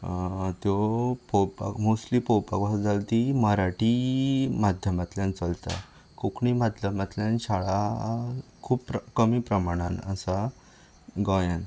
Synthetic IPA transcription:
t̪jɔpowpa̰kmuslipɔwpakʋasd͡zalt̪iməɾaʈimad̪ʱjəmat̪ljãnt͡səlt̪a̰ | kokɳimad̪ʱjəmat̪ljãnɕaɭa | kʰuːppɾkəmiːpɾəmaɽ̃anasa | ɡɔjən

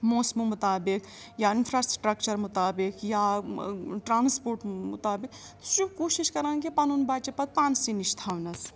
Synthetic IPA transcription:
moːsmumʊt̪aːbik | jaɪnpʰɾaːsʈɾək̚t͡ʃəɾmʊt̪aːbikja | ʈɾaːnspoːɾʈmʊ̰t̪aːbikʃubkoːʃiʃkɐɾãŋɡipanunbaːt͡ʃepɐt̪̚paːnsiniʃt̪ʰaːʋnɐs

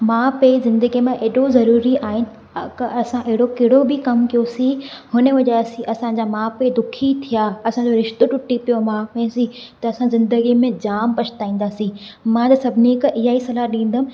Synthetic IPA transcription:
mãːpezɪ̃nd̪əɡimẽʔeːɗozɐɾuːɾiaːɦɪn | kɐʔɐsãʔɪɦɪɽokɪɦɪɽobɪkɐmkijosihʊnə̆ʋɐʄaːsĩʔɐsãd͡ʑaːmãːped̪ʊkʰit̪ʰijaːɐsãd͡ʑoɾɪʃt̪oʈʊʈːipijomãːmẽsĩt̪ɐɐsãzɪ̃nd̪əɡimẽd͡ʑaːmpɐt͡ʃʰt̪aːĩːn̆d̪aːsĩ | mãt̪ɐsɐbʱɪnikɐʔɪɦaːisɐlaɗĩːn̆d̪əmɪ̆

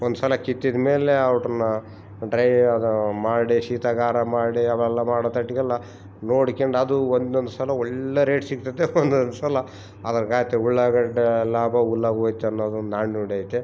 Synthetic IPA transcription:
ond̪usɐlɐkit̪ːid̪me̞ːleɐwʈɐnːɐ | ɖɾɐjɐd̪umaːɽiʃiːt̪ɐɡaːɾɐmaːɽiɐʋɛlːɐmaːɽot̪ɐʈːiɡɐlːɐ | noːɽkeɳɖɐd̪uond̪ond̪usɐlɐɔɭːeɾeːʈsiɡt̪ɐd̪eond̪ond̪usɐlɐ | ɐd̪ɐɾɡaːjt̪euɭːaːɡɐɖlaːbɐulːaːɡoːjit̪ːeɐnːoːd̪und̪aːɳnoɽaːjt̪ːe

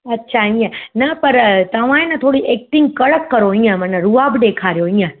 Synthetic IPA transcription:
ɐtːʃʰaĩːə̃napəɾt̪ɐʋ̤ãẽnə̃t̪ʰoːɽiʔeːk̚ʈɪ̃ŋɡ̚kəɭəkːəɾoĩːə̃mə̃nəɾuaːbɗ̪ekʰaɾjoĩːə̃

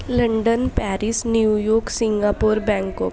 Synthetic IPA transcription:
lə̃ɳɖənpɛːɾɪsnjuːjoːksɪ̃ŋɡaːpoːɾbɛ̃ːŋkɔk

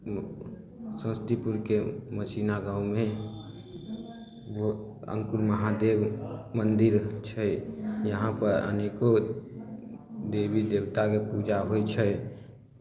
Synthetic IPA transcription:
sə̃st̪ipuɾkeməsinaɡaũmẽ | oə̰̃ŋkuɾməɦad̪ebmənd̪iɾt͡ʃʰəjəɦãpəɾə̰neko | d̪ebid̪ebt̪akepud͡ʒaɦojt͡ʃʰəj

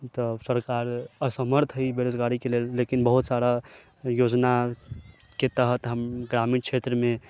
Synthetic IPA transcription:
t̪ɔsəɾkaɾəsəməɾt̪ʰɦəibeɾod͡ʒɡaɾikelelːekinbəɦut̪saɾa | jod͡ʒna | ket̪əɦət̪ɦəmɡɾamint͡ʃʰet̪ɾəme

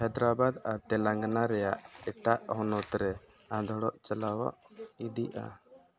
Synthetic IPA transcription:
hɛd̪ɾabad̪aɾt̪ɛlaŋɡnaɾɛjaʔɛʈaʔhɔnɔt̪ɾɛ | ãd̪ʱɔɽɔʔt͡ʃalawa̰ʔiɖiʔa̰

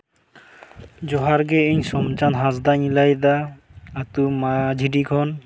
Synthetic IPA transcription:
d͡ʒɔɦaɾɡɛeɲsɔmt͡ʃanɦazd̪aɲilajd̪aː | t̪umad͡ʒʱidikʰɔn

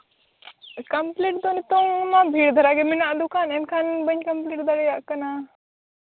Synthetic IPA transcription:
kɐmpliʈ̚d̪onit̪ɔŋmabʱiːɽd̪ʱəɾaɡɛminaʔd̪ukanɛnkʰanbəɲkɐmpliʈd̪aɽəjaʔkɐna

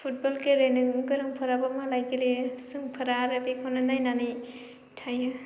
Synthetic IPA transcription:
pʰut̚bɔlkeɾenɯkɯɾɯŋpʰɯɾabamalajkelisɯŋpʰɯɾaɾabikʰɔnɯnajnanij | tʰajɯ

